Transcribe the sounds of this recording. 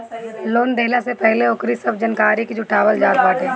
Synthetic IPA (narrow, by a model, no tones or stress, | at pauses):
loːnd̪eɦlasepɛɦleʊkɾisɐbd͡ʒɐnkaːɾikid͡ʒʊʈʰaːʋəld͡ʒaːt̪̚baːʈɦɛː